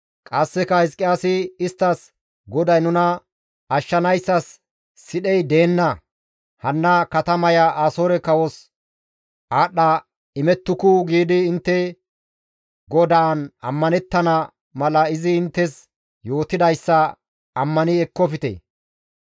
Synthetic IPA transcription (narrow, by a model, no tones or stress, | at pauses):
kʼɐsːɛkɐhɪs̬kʼɪjaːsɪɪst̪ːɐs | ɡɔd̪ɐjnʊnɐ | ɐʃːɐnɐjsːɐsː | ɪɗɛjd̪e̞ːnːɐ | hɐnːɐkɐt̪ɐmɐjɐʔaːsoːɾɛkɐwɔs | ʔaːɗːɐ | ɪmɛt̪ːʊkʊɡiːd̪ɪːnt̪ːɛ | ɡɔd̪aːnɐ̰mːɐnɛt̪ːɐnɐ | mɐlɐɪzɪːnt̪ːɛs | jo̞ːt̪ːɪd̪ɐjsːɐ | ɐmːɐnɪɛkːɔpɪt̪ḛ